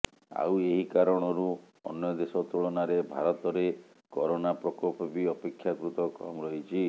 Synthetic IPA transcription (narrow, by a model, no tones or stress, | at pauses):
a̰weɦikaɾɔɽ̃ɔɾu | ɔ̰njɔd̪esɔt̪uɭɔnaɾebʱaɾɔt̪ɔɾe | kɔɾonapɾɔkɔpɔpiɔpekʰːjakɾut̪ɔkɔ̰mɔɾɔɦit͡ʃʰi